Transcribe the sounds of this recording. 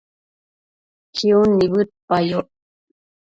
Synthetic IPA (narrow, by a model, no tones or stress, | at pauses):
kʰiunːiβɨt̪̚pajoʔ